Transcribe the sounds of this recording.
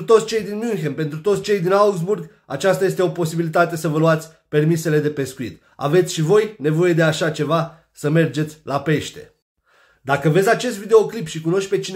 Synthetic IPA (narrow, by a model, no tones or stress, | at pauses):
ɾut̪osʲt͡ʃe̞jd̪inmunxenpe̞nt̪ɾut̪ot̪sʲt͡ʃe̞jd̪inauɡzburɡ | at͡ʃast̪aje̞st̪eo̞po̞sibilit̪at̪e̞səvəluat̪sʲ | pe̞rmise̞le̞d̪e̞pe̞skuḭt̪ | a̰ve̞t̪sʲʃivo̞jne̞vo̞je̞d̪e̞aʃat͡ʃe̞va | səme̞rd͡ʒe̞t̪sʲlape̞ʃt̪e̞̰ | d̪akəve̞zʲat͡ʃe̞st̪vid̪e̞o̞klipʃikuno̞ʃt͡ʃ̚ʲpe̞t͡ʃin